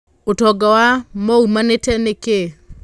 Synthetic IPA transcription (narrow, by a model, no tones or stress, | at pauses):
otɔɡawamɔumanetɛneke